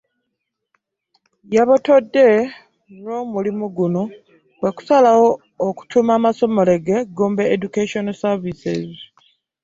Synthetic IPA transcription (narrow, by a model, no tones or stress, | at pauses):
jaβoto̞dːe̞ | no̞ːmulimuɡuno̞ | βwe̞ku̥salawo̞ː | ku̥tumaːmaso̞mo̞le̞ɡe̞ɡoːmbeːɟukeʃonsaɾvisḛzi